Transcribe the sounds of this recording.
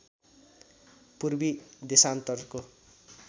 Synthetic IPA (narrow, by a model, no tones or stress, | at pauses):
purbid̪esant̪ʌrko